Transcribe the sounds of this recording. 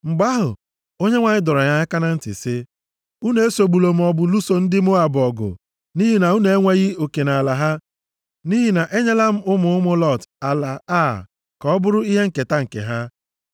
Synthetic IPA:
ŋ͡m̩˨ɡ͡ba˦ɦʊ˨ | o˦ɲe˦ŋʷa˨ɲɪ˦dɔ˨ɾɔ˨ɲa˦ɲa˦ka˦na˦n̩˦tɪ̰˨sɪ˦ | u˦ne˨e˦so˨ɡ͡bu˨lo˨m̩˦ɔ˨bʊ˨lu˦so˨n̩˦dɪ˦m˦ʊ˦a˨bɔ˨ɡʊ̰˨ | ni˦ɦi˨na˨u˦ne˨e˦ŋʷe˦ɣi˦o˨ke˨na˨la˨ɦa˦ | ni˦ɦi˨na˨ʔe˦ɲe˦la˦m̩˦ʊ˦mʊ˨ʊ˦mʊ˦lɔ˦˨ta˨la˨a˦˨ | kɔ˦ɔ˦bʊ˦ɾʊ˦i˦ɦe˦ŋ̩˨ke˨ta˦ŋ̩˨kḛ˨ɦa˦

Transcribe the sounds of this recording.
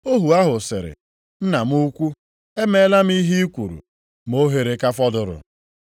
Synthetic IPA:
o˦ɦu˨a˦ɦʊ˨sɪ̰˨ɾɪ̰˨ | n̩˦na˨m˦u˦kʷu˦ | e˦me˦la˦m̩˦i˦ɦi˦i˦kʷu˨ɾṵ˨ | mo˦ɦe˨ɾe˨ka˦fɔ˦dʊ˨ɾʊ̰˨

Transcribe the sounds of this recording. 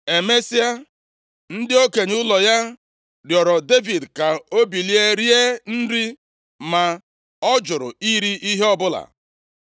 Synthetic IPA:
e˨me˦si˦a˦ | n̩˦dɪ˦o˦ke˨ɲ˦ʊ˦lɔ˨ja˦ | ɾjɔ˨ɾɔ˨de˦vi˨dka˨o˦bi˨li˦e˦ɾi˦e˦n̩˦ɾi˦ | ma˨ | ɔ˦d͡ʒʊ˨ɾʊ̰˨i˦ɾi˦ʔi˦ɦe˦ɔ˦bʊ˦la̰˨

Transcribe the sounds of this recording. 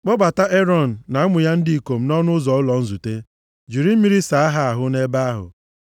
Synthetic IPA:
k͡pɔ˦ɡ͡ba˨ta˦ʔe˦ɾɔ˦˨n̩ː˨a˨a˦mʊ˨ja˦n̩˦di˦i˨ko˨m̩˦nɔ˦nʊ˦zɔ˨ʊ˦lɔ˨n̩˦zu˨te˦ | d͡ʒi˨ɾi˦m̩˦i˦ɾi˦sa˨a˦ɦa˦a˨ɦʊ˦ne˦ba˦a˦ɦʊ̰˨

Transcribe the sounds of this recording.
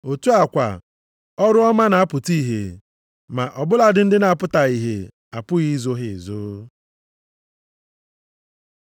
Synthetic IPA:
o˨tu˦a˨kʷa̰˨ | ɔ˦ɾʊ˦ɔ˦ma˦na˨a˦pʊ˨ti˦ɦḛ˨ | ma˨ʔɔ˨bʊ˦la˨dɪ˨n̩˦dɪ˦na˨pʊ˦ta˨i˨ɦḛ˨ | a˨pʊ˦ɣi˦zo˦ɦɪ˨zoː˦

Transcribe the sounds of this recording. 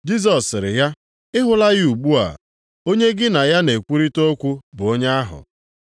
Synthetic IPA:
d͡ʒi˦z̬ɔ˨sɾɪ̰˨ja˦ | ɪ˦ɦʊ˦la˦ɣɪ˦u˨ɡ͡bu˦a̰˨ | o˦ɲe˦ɡɪ˦na˨ja˦ne˨kʷu˦ɾi˦to˦kʷu˦bʊ˨o˦ɲ˦a˦ɦʊ̰˨

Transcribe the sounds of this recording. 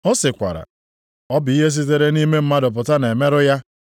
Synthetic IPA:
ɔ˦sɪ˨kʷa̰˨ɾa̰˨ | ɔ˦bɪ˨i˦ɦe˦s̬i˦t̬e˦ɾe˦ni˦me˦m̩˦ma˦dʊ˨p̬ʊ˨ta˦na˨e˨me˦ɾʊ˦ja˦

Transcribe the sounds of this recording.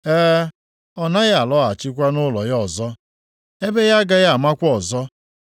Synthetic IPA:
ɛː˦ | ɔ˦na˦ja˨lɔ˦a˨t͡ʃɪ˦k̬ʷa˦nʊ˦lɔ˨jɔ˨zɔ˦ | e˦be˦ja˦ɡa˦ja˦a˨ma˦kʷɔ˨zɔ˦

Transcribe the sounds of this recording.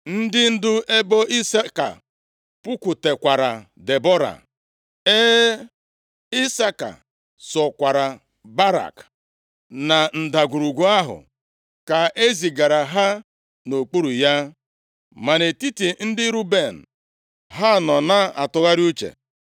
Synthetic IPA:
n̩˦dɪ˦n̩˦dʊ˦e˦bo˦i˦sa˦ka̰˨ | pʊ˦kʷu˨te˨kʷa˨ɾa̰˨ | de˨bɔ˦ɾa̰˨ | e˦ | i˦sa˦ka̰˨ | sɔ˨kʷa˨ɾa˨ | ba˦ɾa̰˨k | na˨n̩˨da˨ɡʷu˨ɾu˨ɡʷu˦a˦ɦʊ̰˨ | ka˨ʔe˦zi˨ɡa˨ɾa˨ɦa˦ | no˨k͡pu˦ɾu˨ja˦ | ma˨ne˨ti˦ti˨n̩˦dɪ˦ɾu˦be˨n̩˨ | ɦa˦˨nɔ˨na˦a̰˨tʊ˨ɣa˦ɾu˦t͡ʃḛ˨

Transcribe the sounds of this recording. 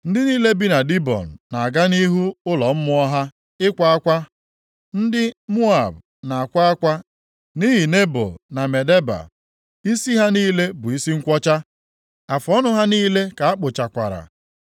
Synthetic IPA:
n̩˦dɪ˦niː˦le˦bi˦na˨di˦bɔ̰˨n̩˨na˨a˨ɡa˦ni˦ɦu˦ʊ˦lɔ˨m̩˦mʊ˦ɔ˦ɦa˦ | ɪ˦kʷa˦a˦kʷa˦ | n̩˦dɪ˦mu˦a˨b | na˨a˨kʷa˦a˦kʷa˦ | ni˦ɦi˨ne˦bʊ̰˨na˨me˨de˦ba̰˨ | i˦si˦ɦa˦niː˦le˦bʊ˨i˦si˦ŋ̩˦kʷɔ˦t͡ʃa˦ | a˨fɔ˦nʊ˦ɦa˦niː˦le˦ka˨a˦k͡pʊ˨t͡ʃa˨kʷa̰˨ɾa̰˨

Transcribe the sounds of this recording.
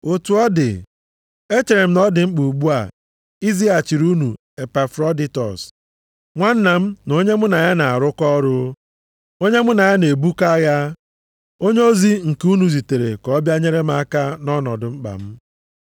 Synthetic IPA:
o˨tu˨ɔ˦dɪ̰˨ | e˦t͡ʃe˨ɾe˨m̩˦nɔ˦dɪ˨ŋ͡m̩˦k͡pu˨ɡ͡bu˦a˨ | i˦zi˦a˨t͡ʃi˨ɾu˦nṵ˨ | e˨pa˨fɾɔ˦di˦tɔ̰˨s | ŋʷa˦n̩˦na˨m̩˦no˦ɲe˦mʊ˦na˨ja˦na˨a˨ɾʊ˦kɔ˦ɾʊ˦ | o˦ɲe˦mʊ˦na˨ja˦ne˨bu˦ka˦ja˦ | o˦ɲe˦o˦zi˦ŋ̩˨ku˦nu˨zi˨te˨ɾḛ˨kɔ˦bja˦ɲe˦ɾe˦m̩˦a˦ka˦nɔ˦nɔ˨dʊ˨ŋ͡m̩˦k͡pa̰˨m̩˦

